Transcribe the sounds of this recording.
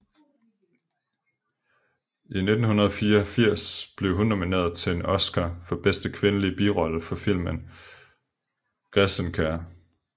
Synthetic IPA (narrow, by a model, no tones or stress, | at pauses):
ʔine̝d̥n̩hunɐð̞ˠɒfiːɒfiɐ̰sb̥le̝ʊɦuno̝mine̝̰ːɐðˠt͡sʰe̝enʔɒ̽sɡ̥afɒ̽b̥esd̥əkʰʋe̝nəlib̥iʁɒ̽ləfɒ̽fil̰mən | ɡ̥ʁɛsənkʰæɐ̰